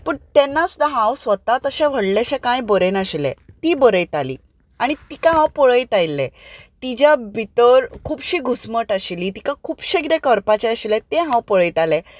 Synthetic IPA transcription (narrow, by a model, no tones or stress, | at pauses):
pəɳt̪ɛnːasud̪ʱaɦãwsʋət̪at̪əɕɛ̃ʋ̤ʱəɽlɛɕẽkãjbəɾenaɕilɛ̰̃t̪iːbəɾəjt̪alḭː | aɽ̃it̪ikãɦãwpəɭəjt̪ajlɛt̪id͡ʑjabʱit̪əɾkʰuːbɕiːɡʱusməʈaɕiliːt̪ikãkʰuːbɕeɡɾekəɾpat͡ɕɛəɕilɛt̪ẽɦãwpəɭəjt̪alɛ